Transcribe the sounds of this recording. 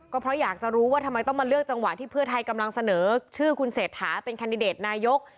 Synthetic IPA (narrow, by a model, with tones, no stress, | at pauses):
kɔː˥˩pʰɾɔ˦˥jaː˨˩k̚t͡ɕa˨˩ɾuː˦˥waː˥˩t̪ʰa˧mːa˧jt̪ɔ˥˩ŋmaː˧lɯ˥˩ək̚t͡ɕa˧ŋwa˨˩t̪ʰiː˥˩pʰɯ˥˩ɐt̪ʰa˧jka˧mla˧ŋsa˧nɤː˩˦t͡ɕʰɯː˥˩kʰu˧nseː˨˩t̪̚hʰaː˩˦pe˧nkʰa˧ndi˧deː˨˩t̪̚naː˧jo˦˥k̚